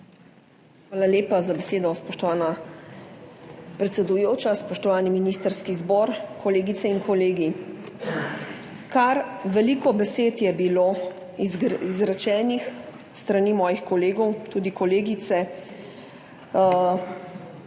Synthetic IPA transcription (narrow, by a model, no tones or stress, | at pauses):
xʋaːlaleːpazabɛseːd̪ɔspɔʃt̪ɔʋaːna | pɾɛt̪sɛd̪ujoːt͡ʃaspɔʃt̪ɔʋaːniminiːst̪əɾskizbɔːɾkʰɔleːɡit̪sɛiŋkʰɔleːɡi | kaɾʋɛliːkɔbɛseːt̪jɛbiloː | izɾat͡ʃɛːnix | st̪ɾaniːmɔːjixkɔleːɡɔwt̪uːd̪ikɔleːɡit̪sɛ